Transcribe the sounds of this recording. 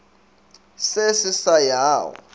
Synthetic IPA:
sesisajaːwɔ̰

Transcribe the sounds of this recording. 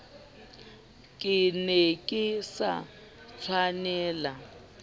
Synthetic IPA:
kʼɪnɛkʼɪsa̰ | t͡sʰwanɛːla

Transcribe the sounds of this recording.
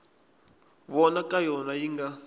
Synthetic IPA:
βɔnakʼajɔnajiŋɡa

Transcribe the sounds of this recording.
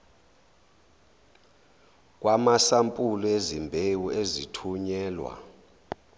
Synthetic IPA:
k̬ʼwʔamasampʼulɔezimbʱewuezitʰuɲɛːlwa̰

